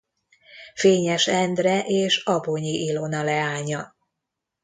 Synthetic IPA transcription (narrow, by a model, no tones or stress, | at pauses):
feːɲɛʃɛnd̪rɛʔeːʃɒboɲiʔilo̞nɒlɛaːɲɒ